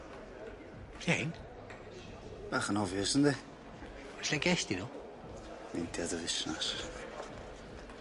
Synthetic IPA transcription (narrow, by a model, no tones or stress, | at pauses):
kejn | b̥aːχənɔvjəsəndɛ | aslɛkɛst̪inɔ | nentʰjadəvɪsnas